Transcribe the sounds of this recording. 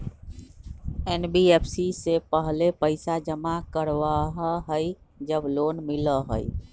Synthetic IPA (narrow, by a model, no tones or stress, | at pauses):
enbiepʰsisepəɦlepəɪsad͡ʒəmakəɾʋaɦəɦəj | d͡ʒəbloːnmiləɦə̰j